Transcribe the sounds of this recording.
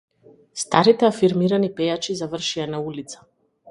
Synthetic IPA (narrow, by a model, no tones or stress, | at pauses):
st̪aɾit̪ɛafiɾmiɾanipɛjat͡ʃizavər̩ʃianaulit̪sḁ